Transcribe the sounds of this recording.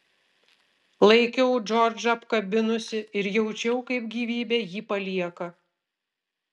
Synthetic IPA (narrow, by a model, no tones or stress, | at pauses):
lˠɐɪkʲɛʊd͡ʒɔɾʲd͡ʒɐpkɐbʲɪnʊsʲɪɪɾjɛʊt͡ʃʲɛʊkɐɪpɡʲiːʋʲiːbʲeːjiːpɐlʲiɛkɐ